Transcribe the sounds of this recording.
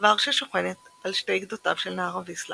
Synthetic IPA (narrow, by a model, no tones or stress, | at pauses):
vaʁʃeʃoχenet̪alʃte̞jɡd̪otavʃelnaaʁaveisla